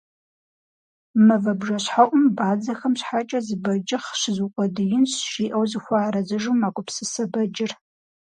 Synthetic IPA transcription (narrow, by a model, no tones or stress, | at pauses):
mɐvɐbʒɐɕħaʔʷʼʊmbaːd͡zɐxɐmɕħat͡ʃʼɐzɨbɐd͡ʒɪχɕɪzuqʷʼɔdɨjɪnɕʃiːʔɐwzɨxʷaːɾɐzɨʒumaːkʷʼʊpsɨsɐbɐd͡ʒɪr